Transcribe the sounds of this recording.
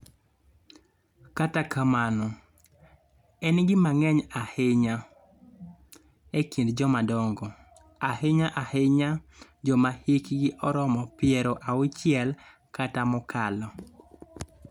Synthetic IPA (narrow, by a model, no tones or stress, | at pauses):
katakʰamanɔ | ɛnɡɪmaŋɛɲahɪɲa | ekindd͡ʒɔmadɔŋɡɔ | ahɪɲaʔahɪɲad͡ʒɔmahikɡɪʔɔɾɔmɔpɪɛɾɔʔawʊt͡ʃɪɛl | katamɔkalɔ